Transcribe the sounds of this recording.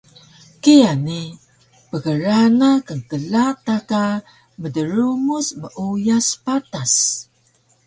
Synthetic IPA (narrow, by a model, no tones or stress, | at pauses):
kiani | pəɣəɾanakəŋkəlat̪aka | mədəɾumusməʔujaspatas